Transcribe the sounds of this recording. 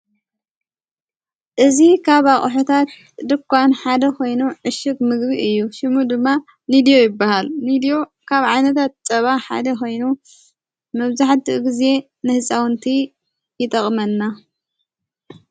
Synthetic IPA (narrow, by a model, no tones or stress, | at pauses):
ʔɨzikʰaβaχʼħot̪ʰat̪̚ | d̪ɨkʷːanħad̪ɐkʰo̞jnuʕɨʃɨɡmɨɡbiʔɨjːuʃɪmud̪ɨmːa | nid̪ijo̞jɪbːahalnid̪ijo | kʰaβʕajnɐt̪ʰat̪̚t͡sʼɐβaħa̰d̪ɐkʰo̞jnu | mɐβzaħt̪ɨʔɡize̞ | nɨhɨsʼawnt̪ʰi | jɪt̪ʼɐχʼmɐnːa